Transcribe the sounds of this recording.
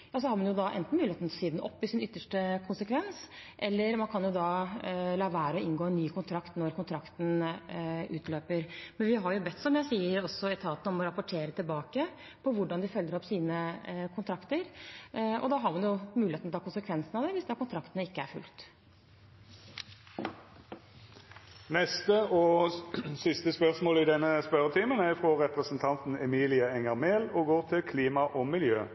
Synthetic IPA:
jɑːs̬ɔhɑɾmɑnjʊd̪ɑʔɛ̰nt̪n̩mʉːlɪet̪ʰlsiːd̪nɔ̰pːɪsɪnʏt̪ːəʂʈəkʰʊnsəkʰʋɛnsʔɛlːəɾmɑnkʰɑnjʊd̪ɑlɑːʋæːɾəɔɪnɡoːɛnːyːkʊnt̪ʰɾɑkt̪nɔɾkʊnt̪ʰɾɑkt̪n̩ | ʉ̰ːt̪ʰløːpəɾmɛnʋɪɦɑɾjʊbɛt̪ːsɔmjæɪsiːəɾɔsːɔɛt̪ʰɑːt̪nəɔmɔɾɑpɔʈʰeːɾət̪ʰɪlbɑːkə | pʰɔʋʊɖɑnd̪ɪfœlːəɾɔpːsiːnəkʰʊnt̪ʰɾɑkt̪əɾʔɔ̰d̪ɑɦɑɾmɑnjʊmʉːlɪet̪nɔt̪ʰɑkʊnsəkʰʋɛnsnɑʋd̪ɛʋɪsd̪ɑkʊnt̪ʰɾɑkt̪ənəɪkːəæɾfʉ̰lt̪ | nɛst̪əʔɔ | sɪst̪əspœʁsmoːlɪd̪ɛnːəspœɾət̪ʰiːmənæʁfʁoːʁɛpʁəsn̩t̪ʰɑnt̪n̩ɛmiːlɪəɛŋəʁmeːlɔɡoːʁt̪ʰɪlkʰliːmɑʔɔmɪljø̰ː

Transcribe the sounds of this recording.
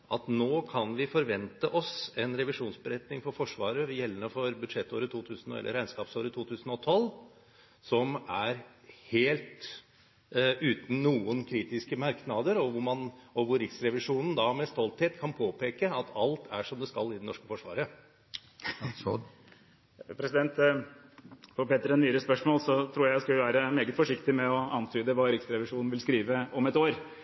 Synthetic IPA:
ɑt̪noːkʰɑnʋɪfɔɾʋɛnt̪əʔɔsɛnɾɛʋɪʂuːnsbəɾɛt̪nɪŋfɔɾfɔʂʋɑːɾəʋɛjɛlːənəfɔɾbʉd̪ʂɛt̪ːoːɾət̪ʰuːt̪ʰʉːsn̩ɔ̰ɛ̰lʔə̰ɾæɪnskɑːpsoːɾət̪ʰuːt̪ʰʉːsn̩ɔt̪ʰɔl | sɔmæɾ | heːlt̪ | ʉːt̪n̩ːuːənkʰɾiːt̪ɪskəmɑɾknɑd̪əɾɔʋʊmɑnɔʋʊɾːɪksɾɛʋɪʂuːnn̩d̪ɑmɛst̪ɔlt̪heːt̪kʰɑnpʰoːpʰeːkəɑt̪ɑlt̪ʰæʂɔmd̪ɛskɑlːɪd̪ɛnɔʂkə̥fɔʂʋɑ̰ːɾə | pʰɾɛsɪd̪ɛnt̪ | fɔpeːt̪əɾɛnnyːɾəspœʂmoːlsɔt̪ʰɾuːɾjæskʉlʋæːɾəmeːɡət̪fɔʂɪkt̪ɪmɛɔɑnt̪ʰyːd̪əʋɑːɾɪksɾɛʋɪʂuːnn̩ʋɪlskɾiːʋəɔmɛt̪oːɾ

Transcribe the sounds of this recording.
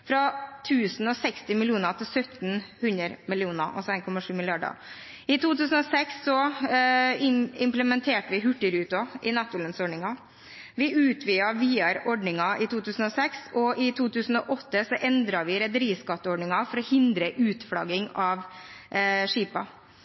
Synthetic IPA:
fɾɑt̪ʰʉːsn̩ɔsɛkst̪ɪmɪlɪuːnət̪ʰɪsœt̪nhʉnəɾmɪlɪuːnəʔɑ̰sɔeːnkʰɔmɑʂʉːmɪlɪɑɖə̰ | ɪt̪ʰuːt̪ʉːsn̩ɔsɛksːɔ | ɪɪmpləmɛnt̪ʰeːʈəʋɪɦʉʈːəɾʉːt̪ɔʔɪnɑt̪ːʊlənsɔɖɳɪŋɑ | ʋɪʔʉːt̪ʰʋiːɑʋiːɑɾɔɖɳɪŋɑʔɪt̪ʰuːt̪ʰʉːsn̩ɔsɛksɔʔɪt̪ʰuːt̪ʉːsn̩ɔʔɔt̪ːəsɔʔɛnd̪ɾɑɾʋɪɾɛd̪əɾiːskɑt̪ːəɔɖɳɪŋɑfɔɾɔhɪnd̪ɾəʔʉːt̪fɽɑ̰ɡɪŋɑʋ | ʂiːpɑ̰

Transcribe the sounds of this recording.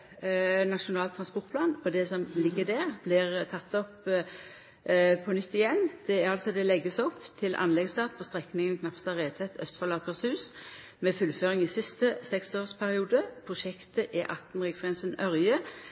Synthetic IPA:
nɑʃʊnɑːlt̪ʰːɾɑnspʊt̪pʰlɑːnɔd̪ɛsɔmlɪɡːəd̪æʁblɪʁt̪ʰɑt̪ːɔp | pʰɔnʏt̪ːɪjɛnd̪̥ɛæɾɑlsɔd̪ɛlɛɡːəsɔpːt̪ʰɪlʔɑ̰nlɛɡsd̪ɑːt̪̚pʰɔst̪ɾɛknɪŋənkʰnɑpst̪ɑːʁeːt̪ʰɛt̪ʰːœ̰st̪fɔlɑːkəʁshʉːs | mɛfʉlføːʁɪŋɪsɪst̪əsɛksoːʁspʰæɾɪuːd̪əpʰɾʊʃɛkt̪əʔɪʔɑt̪n̩ʁɪːɡsɡʁɛnsənœɾjə

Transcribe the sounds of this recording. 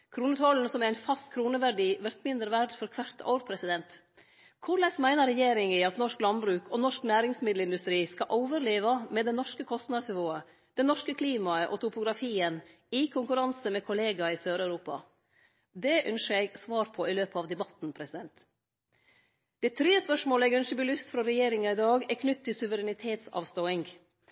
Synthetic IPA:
kʰɾuːnət̪ʰɔln̩sɔmæɾæɪnfɑst̪kʰɾuːnəʋæɾɖiːʋæɾt̪mɪnd̪ɾəʋæɾɖfɔɾkʰʋæɾt̪ɔ̰ʊɾpʰɾɛsɪd̪ɛnt̪ | kʰʊɾlɛsmæɪnəɾːɛjeːɾɪŋɪɑt̪nɔʂklɑnbɾʉːkʰɔnɔʂknæːɾɪŋsmɪd̪l̩ɪnd̪ʉst̪ɾiːskɑʔɔʊʋəɾleːʋɑmɛd̪ɛnɔʂkəkʰɔst̪nɑd̪snɪʋoːə | d̪̥ɛnɔʂkəkʰliːmɑəʔɔt̪ʰʊpʊɡɾɑfiːən | ɪkʰʊŋkʉɾɑnsəmɛkʰʊleːɡɑɪsøːɾœʉɾuːpɑ̰ | d̪ɛʔœnʃəɛɡsʋɑːɾpʰɔɪløːpəɑʋd̪ɛbɑt̪n̩pʰɾɛsɪd̪ɛnt̪ | d̪̥ɛt̪ʰɾyːəspœʂmoːləɛɡœnʂəbɪlʉst̪fɾɑɾɛjeːɾɪŋɑɪd̪ɑːɡɛɾkʰnʏt̪ʰːɪlsʉʋəɾɛnɪt̪ʰeːt̪sɑ̰ːʋst̪oːɪŋɡ

